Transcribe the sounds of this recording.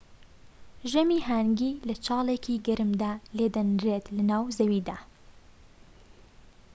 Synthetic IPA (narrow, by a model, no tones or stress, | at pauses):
ʒɐmiːɦaːŋɡiːlɐt͡ʃʰɑːlˠekʰiːɡɐɾɨmd̪aːled̪ɐnɾet̪lɐnaːwzɐwiːd̪aː